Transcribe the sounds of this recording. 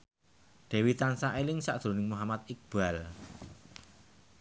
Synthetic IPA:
ɖ̪̥ɛ̤wit̪ansaʔelɪŋsa̰ʔd̪̥ɾo̤nɪŋmuɦamat̪̚ɪk̚b̥al

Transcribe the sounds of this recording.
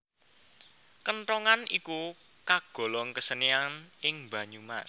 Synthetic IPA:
kənʈɔŋaniku | kaɡ̥ɔ̤lɔŋkəsənianɪŋmba̤ɲuma̰s

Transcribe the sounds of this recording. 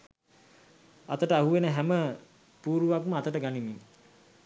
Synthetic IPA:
a̰t̪əʈəaɦuʋenəɦæmə | puːɾuʋakməat̪əʈəɡanimiŋ

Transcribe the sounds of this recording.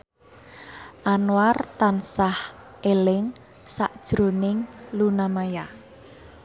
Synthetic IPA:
ʔanwart̪ansah | ʔelɪŋ | saʔd̥ʒ̥ɾonɪŋlunamaja

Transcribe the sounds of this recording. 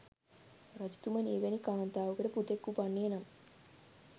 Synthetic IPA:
rɐd͡ʒu̥t̪uməneːʋɛnikaːnt̪aːʋukəʈeput̪ekːupanːeːnam

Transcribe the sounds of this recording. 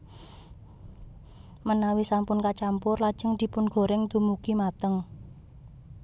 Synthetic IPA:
mənawisampʊnkat͡ʃampʊrlad̥ʒ̥ə̤ŋd̪̥i̤pʊnɡ̥o̤ɾɪŋd̪umukimat̪əŋ

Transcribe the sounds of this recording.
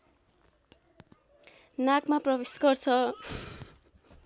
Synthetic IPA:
nakmaprʌbesɡʌrt͡sʰʌ

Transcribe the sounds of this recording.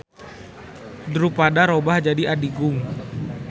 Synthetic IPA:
dəɾupadaɾobahd͡ʒadiʔadiɡʊŋ

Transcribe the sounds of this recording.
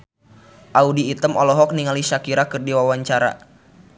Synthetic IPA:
ʔaudiːt̪əmɔlɔɦɔk̚niŋaliʃakiɾakɨrdiwawaɲt͡ʃaɾa̰

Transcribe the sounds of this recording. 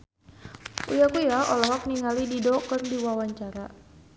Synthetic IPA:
ṵjakujaɔlɔɦɔk̚niŋalididɔkɨrdiwawaɲt͡ʃaɾa

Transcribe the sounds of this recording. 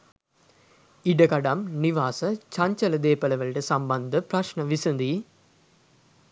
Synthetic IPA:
iɖəkaɖamniʋaːsət͡ʃaɲt͡ʃələd̪eːpələʋəlʈəsamband̪əpraʃɳəʋisənd̪i

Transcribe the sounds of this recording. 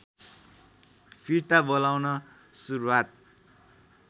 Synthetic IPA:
pʰirt̪abʌlawnʌ | suɾuwat̪̚

